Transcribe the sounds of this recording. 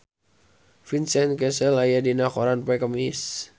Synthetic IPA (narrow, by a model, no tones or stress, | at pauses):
finsɛnkɛsəlajadinakoɾanpɛkəmis